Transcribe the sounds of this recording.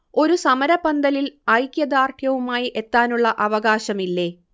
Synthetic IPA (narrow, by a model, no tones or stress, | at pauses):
o̞ɾusɐmɐɾɐbɐnd̪ɐlilɐjkjɐd̪aːrkʰjɐʋumaːjiʔe̞t̪ːaːnuɭːɐʔɐʋɐɣaːɕɐmilːe̞ː